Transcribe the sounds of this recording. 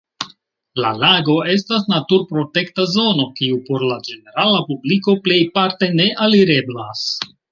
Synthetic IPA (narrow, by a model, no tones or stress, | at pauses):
la̰laɡo̞e̞stasnatuɾpɾo̞te̞ktazo̞no̞kiupo̞ɾlad͡ʒe̞ne̞ɾalapubliko̞ple̞jpaɾte̞ne̞ʔaliɾe̞blas